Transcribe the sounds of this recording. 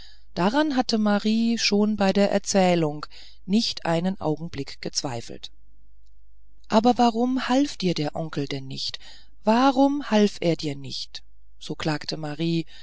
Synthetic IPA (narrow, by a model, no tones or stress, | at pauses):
d̥aʁanɦatəmaʁiːʃoːnbaɪdeːɐʔɛ̰ɐt͡sɛːlʊŋ | nɪçtʔa̰ɪnənʔa̰ʊɡŋ̩blɪkɡ̥ət͡sv̥aɪfl̩t | ʔaːbɐvaʁʊmhalfd̥iːɐdeːɐʔɔŋkl̩dɛnːɪçt | v̥aʁʊmhalfʔeːɐdiːɐnɪçt | z̥oːkl̥aːktʰəmaʁiː